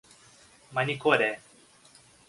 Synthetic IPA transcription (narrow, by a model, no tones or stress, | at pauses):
manikoɾe